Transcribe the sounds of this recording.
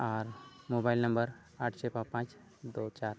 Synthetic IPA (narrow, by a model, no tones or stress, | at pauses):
aːɾmoːbaːɪlnɐ̃mbəɾ | aːʈʰt͡ʃʰepapãːt͡ʃ | d̪oːt͡ʃaːɾ